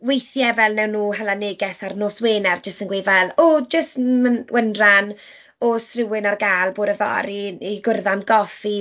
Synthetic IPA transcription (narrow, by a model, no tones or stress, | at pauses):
wejθjɛvɛlˠnɛwnːuːɦalˠanɪːɡɛsarnoːsweːnɛrd͡ʒəstənɡwejvalˠod͡ʒəstməwʔəndran | osrɪwɪnarɡaːlˠboːɾəvɔ̰ɾiiɡʊrðamɡɔfi